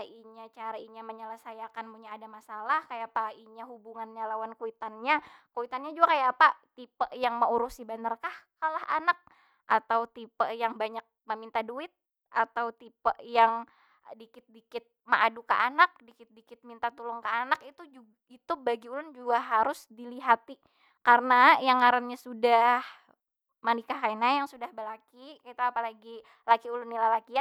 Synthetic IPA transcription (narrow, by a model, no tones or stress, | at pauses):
aiɲat͡ʃaɾaiɲaməɲələsajakanpuɲaːdamasalahkajapaiɲaɦubuŋanɲalawankuit̪anɲakuit̪anɲad͡ʒuɡakajapat̪ipəʔjaŋməuɾusibanarkahkalaɦa̰nak̚ | ʔat̪awt̪ipəʔjaŋbaɲak̚məmint̪aduɪt̪̚ | ʔat̪awt̪ipəʔjaŋ | dikɪt̪̚dikɪt̪̚maʔaduka̰ʔanak̚dikɪt̪̚dikɪt̪̚mint̪at̪ulʊŋkaanakit̪ud͡ʒu | it̪ubaɡiulʊnd͡ʒuɡaɦaɾʊsdiliɦat̪i | karənajaŋaɾanɲasudah | manikaɦainajaŋsudahbəlakikit̪aapalaɡi | lakiulʊnːilalakia